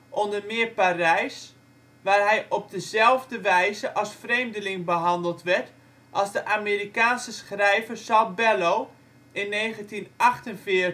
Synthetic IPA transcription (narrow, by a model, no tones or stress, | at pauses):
ʔɔndərmɪːparɛjs | ʋaːrɦɛjʔɔb̚dəzɛlˠvdəʋɛjzəʔɑlˠsfreːmdəlɪŋbəɦɑndəlˠtʋɛɹt | ʔɑlˠzdəʔameːrikaːnsəsχrɛjvərsɑbɛlow | ɪnːejχəntinʔɑχtənfɪ